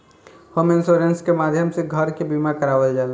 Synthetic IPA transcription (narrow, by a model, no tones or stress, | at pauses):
homensoɾenskemad̪ʱjəmseɡʱəɾkebimakəɾabəld͡ʒal